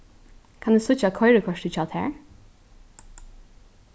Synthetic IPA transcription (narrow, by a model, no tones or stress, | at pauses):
kʰand̪ʉːsʊt͡ʃakʰɔʏɹəkʰɔʃtɪt͡ʃʰɑːt̪ʰæ̰ːɹ